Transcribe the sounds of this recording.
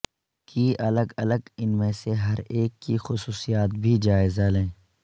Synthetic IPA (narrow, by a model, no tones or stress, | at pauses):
kiːʔɐləɡɐləɡɪnmẽseɦɐɾeːkːixʊsuːsijaːt̪bʱid͡ʒaːɪzalẽː